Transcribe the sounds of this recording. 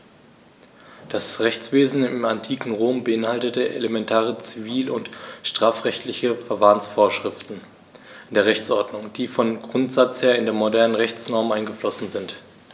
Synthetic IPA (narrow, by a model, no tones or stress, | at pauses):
d̥asʁɛçt͡sv̥eːzn̩ɪmantʰiːkŋ̩ʁoːmbəɪnhaltətəʔḛlemɛntʰaːʁ̞ət͡siviːlʊntʃtʁ̥aːfʁɛçtlɪçəfɛɐvaːənsfoːɐʃʁ̥ɪftn̩ | ndeːɐʁɛçt͡sʔɔɐdnʊŋd̥iːfɔmɡʁʊntz̥at͡sheːɐɪndeːɐmodɛɐnənʁɛçt͡snɔɐmʔaɪnɡəflɔsn̩zɪnt